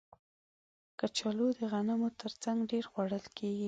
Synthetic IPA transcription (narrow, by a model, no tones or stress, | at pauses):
kat͡ʃɑlod̪əɣanamot̪əɾt͡saŋɡɖeɾɣwaɽəlkʰeɡi